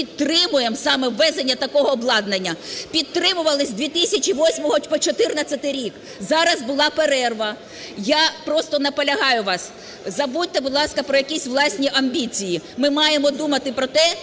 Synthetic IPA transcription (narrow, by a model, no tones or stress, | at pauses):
pʲid̪t̪ɾɪmʊjemsɑmɛʋːɛzenʲːɐt̪ɐkɔɦɔːblˠɑd̪nenʲːɐpʲid̪̚t̪ɾɪmʊʋɐlˠɪsʲd̪ʲʋʲit̪ɪsʲɐt͡ʃʲiʋɔsʲmɔɦɔpɔt͡ʃɔt̪ɪrnɐt͡sʲːɐt̪ɪɾʲik | zɑɾɐzbʊlˠɑpeɾɛrʋɐ | japɾɔst̪ɔnɐpɔlʲɐɦɑjʊʋɑs | zɐbut̚ʲt̪ːɛbʊd̪lˠɑskɐpɾɔjɐkʲisʲʋlˠɑsʲnʲiʔɐmʲbʲit͡sʲijimɪmɑjemɔd̪umɐt̪ɪpɾɔt̪ɛ